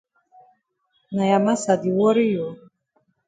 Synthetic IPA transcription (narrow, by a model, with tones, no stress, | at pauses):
na˨ja˨ma˦sa˨d̪i˨wɔ˦ɾi˦jɔ˨